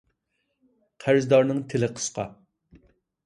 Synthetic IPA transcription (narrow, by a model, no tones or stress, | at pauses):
qʰæɾzd̪ɑɾnɨŋt̪ʰelɪqʰə̥sqɑ̰